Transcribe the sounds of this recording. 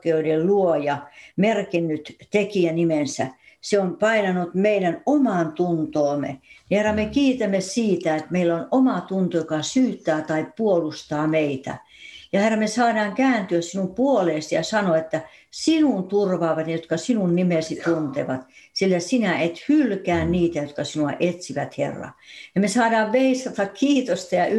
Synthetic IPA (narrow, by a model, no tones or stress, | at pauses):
keoidelluojɑmerkinːyt̪t̪ekiænimensæseompɑinɑnut̪meilænomɑˑnt̪unt̪oːmḛniherːɑmekiːt̪æmːesiːt̪æet̪meilːonomɑt̪unt̪ojokɑsyːt̪ːˑæːt̪ɑippuolust̪ɑːmeit̪æ̰ | jɑherːɑmesɑːdɑːŋkæːnt̪yøssinumpuoleːˑsijɑsɑnoet̪ːæ | sinunt̪urʋɑːʋɑt̪njɑjot̪kɑsinunnimesit̪unt̪eʋɑt̪silːæsinæet̪hylkæːnniːt̪æjot̪̚kɑsinuɑ̰ʔet̪siʋæt̪hḛrːɑ̰jɑmesɑːdɑːʋʋeist̪ɑt̪ɑkkiːt̪ost̪ɑjɑ